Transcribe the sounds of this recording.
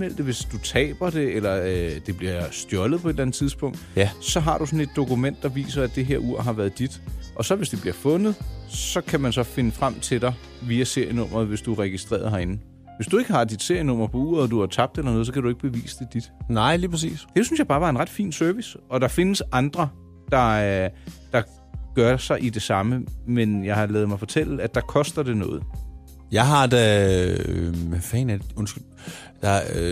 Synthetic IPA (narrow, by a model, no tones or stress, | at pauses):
mel̰d̥əʋe̝sd̥ut͡sʰɛ̰ːb̥ɐd̥e̝elɐd̥e̝b̥liɐsd̥jɒ̽ləð̩ˠpʰɒ̽e̝d̥lænð̩ˠt͡sʰiðˠsb̥ɔ̽ŋ̰d̥sɒ̽ɦɑ̈ɾ̥usɔ̽ne̝d̥ːo̝kumen̰d̥ːɑ̈ʋḭːsɐæd̥d̥e̝ɦeɐ̰ʔuɐ̰ɦɑ̈ʋæɐð̩ˠd̥id̥ʔɒ̽sɒ̽ʋe̝sd̥e̝b̥liɐfɔ̽nð̩ˠsɒ̽kʰæmænsɒ̽fe̝nəfʁam̰t͡sʰe̝ɾ̥ɑ̈ | ʋiːæse̝ɐ̰jənɔ̽m̰ɐð̩ˠʋe̝sd̥uʁɛɡ̥isd̥ʁḛɐð̩ˠɦɑ̈e̝nn̩ | ʋe̝sd̥ue̝ɡ̥əɦɑ̈d̥id̥se̝ɐ̰jənɔ̽m̰ɐpʰɒ̽ṵːɐ̰ðˠɒd̥uhɑ̈t͡sʰɑ̈b̥̚d̥elɐnɔ̽ːð̩ˠsɒ̽kʰæɾue̝ɡ̥əb̥e̝ʋḭːsə̥d̥e̝d̥id̥nɑ̈ɪ̰liːpʰʁɛs̬ḭːsd̥e̝synsjɑ̈ɪbɑ̈ːʋɑ̈e̝nʁɑ̈d̥fḭːnsœɐʋisɒ̽d̥ɑ̈fe̝nəsɑ̈nd̥ʁɐ | d̥ɑ̈ | d̥ɑ̈ | ɡ̥ɶɐsɑ̈ɪʔid̥e̝sɑ̈məmenjɑ̈ɪhɑ̈lɛːð̞̩ˠmɑ̈ɪfɒ̽t͡sʰel̰læd̥ɑ̈kʰɒ̽sd̥ɐd̥e̝nɔ̽ːð̞̩ˠ | jɑ̈ɪɦɑ̈d̥æ | fɛ̰ːnæ̥ɔnsɡ̥ | d̥ɑ